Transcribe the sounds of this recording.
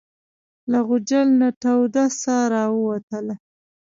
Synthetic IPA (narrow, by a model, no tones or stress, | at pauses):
laɣʊd͡ʒalnaʈawd̪asɑɾɑwəwat̪əla